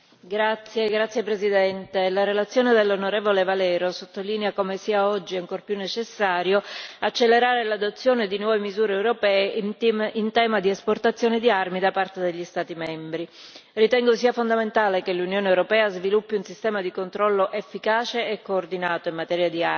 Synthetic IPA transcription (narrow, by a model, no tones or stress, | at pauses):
ɡɾat̪sːjeɡɾat̪sːjepɾezid̪ɛnt̪elaɾelat̪sːjoːned̪elːonoɾeːvolevalɛːɾosot̪ːoliːneakomesiːaɔd͡ʒːiaŋkorpjunːet͡ʃesːaːɾjoat͡ʃːelːeɾaːɾelad̪ot̪sːjoːned̪inwɔːvemizuːɾeːwɾopɛːeint̪ɛːmad̪iesport̪at̪sːjoːned̪iarmid̪apart̪ed̪eʎːist̪aːt̪imɛmbɾi | rit̪ɛŋɡosiːafond̪ament̪aːlekelːunjoːneewɾopɛːazvilupːiunsist̪ɛːmad̪ikont̪ɾɔlːoʔefːikaːt͡ʃeːkːoːrd̪inaːt̪oimːat̪ɛːɾjad̪ia